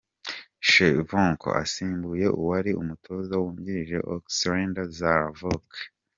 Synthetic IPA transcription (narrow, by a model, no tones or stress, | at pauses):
ʃevoŋkʰo̰ʔa̰siːmbuje̞ʔuwaɾiṵmutʰo̞ːzawuːɲɟiɾiʒe̞̰ʔo̰ksɾeːndazavok